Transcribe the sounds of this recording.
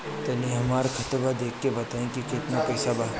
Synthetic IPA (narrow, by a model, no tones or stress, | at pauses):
t̪ɐnĩɦɐmaːɾkʰɐt̪bad̪eːkʰːebɐt̪aːẽkikɪt̪napɛːsabaː